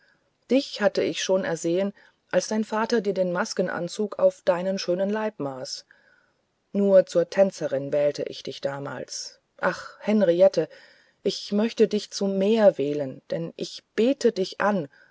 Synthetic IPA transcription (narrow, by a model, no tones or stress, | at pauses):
d̥ɪçhatəɪçʃoːnɛ̰ɐzeːən | ʔalsd̥aɪnfaːtɐdiːɐdeːnmaskn̩ʔa̰nt͡suːkʰa̰ʊfd̥aɪnənʃøːnənlaɪpmaːs | nuːɐt͡suːɐtʰɛnt͡sɐʁɪnvɛːltʰə̰ʔɪ̰çd̥ɪçd̥aːma̰ːls | ʔaχhɛnʁiɛtʰə | ʔɪçmœçtədɪçt͡summeːɐveːlənd̥ɛnʔɪçb̥eːtədɪçʔan